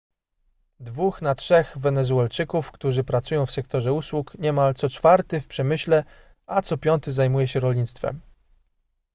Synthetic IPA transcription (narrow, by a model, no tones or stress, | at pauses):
d̪vuxnatʂɛxvɛnɛzuɛlt͡ʂɘkufkt̪uʐɘpɾat̪sujɔ̃w̃fsɛkt̪ɔʐɛuswukɲɛmalt̪sɔt͡ʂfaɾt̪ɘfpʂɛmɘɕlɛ | at̪sɔpʲjɔnt̪ɘzajmujɛɕɛɾɔlɲit̪st̪fɛ̰m